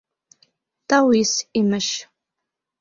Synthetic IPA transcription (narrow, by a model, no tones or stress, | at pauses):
tʰawisimɨʃ